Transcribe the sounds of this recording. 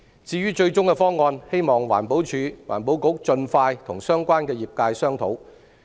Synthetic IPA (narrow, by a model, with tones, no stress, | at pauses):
t͡siː˧ɥyː˥t͡ʃɵ˧ɥt͡ʃʊ˥ŋkɛ˧fɔː˥ŋɔː˧nhe˥jmɔː˨ŋwaː˨˩npo˨˥wt͡ʃʰyː˨˧wa̰ː˨˩npo˨˥wko˨˥k̚t͡ʃɵ˧nfaː˧jt̪ʰʊ˨˩ŋsœː˥ŋkʷaː˥nkɛː˧jiː˨p̚kaː˧jsœː˥ŋt̪ʰo˨˥w